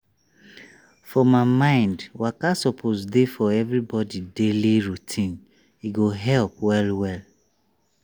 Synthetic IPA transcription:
fɔmamãɪ̃ndwakasɔpʰozdefɔɛvɹibɔdideliɹutʰĩn | iɡoɦɛlp̚wɛlwɛl

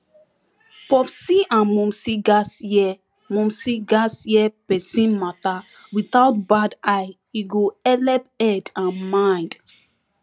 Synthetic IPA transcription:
pɔpsiʔãnmũmsiɡasjɛ | mũmsiɡasjɛpɛsĩnmat̪a | wiθawt̚badaj | iɡoɛlɛpɛdãnmãj̃nd

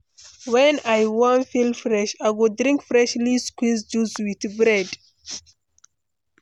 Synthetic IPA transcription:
wɛ̃najwɔ̃nfilfɹɛʃajwudɹĩŋkfɹɛʃliskwizd͡ʒuswiθbɹɛd

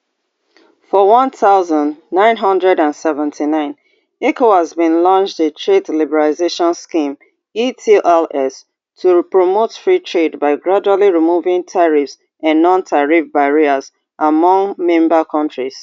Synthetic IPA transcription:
fɔwʌ̃nθaʊzə̃ndnãɪ̃nɦʌ̃ndɹɛdãnsɛvɛ̃ntʰinãɪ̃n | ekohazbĩnlɔ̃nt͡ʃdetʰɹedlibɛɹaizeʃɔ̃nskĩm | itʰiʔɛlɛs | tʰupɹomotfɹitʰɹedbaɪɡɹad͡ʒualiɹimuvɪ̃ŋtʰaɹifs | ãnːɔ̃ntʰaɹifbaɹiəz | ʔamɔ̃ŋmɛ̃mbəkʰʌ̃ntɹiz̥

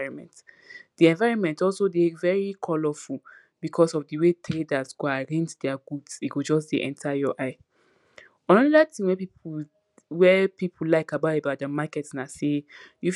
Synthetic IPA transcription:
ɹɔ̃nmɛ̰̃nt | d̥iɛ̃nvaɪɹɔ̃nmɛ̃ntɔlsodevɛɹikʰɔlɔful | bikʰɔsɔfdəwetɹedasɡ̥oaɹɛ̃ntdɛaɡudsiɡod͡ʒɔs̬deʔɛ̰̃ntʰajɔʔaɪ | ɔ̃nɔɔdatĩŋwɛpip | wɛpipʰul̩laɪkabaebat̚dəmakɛtsnaseju

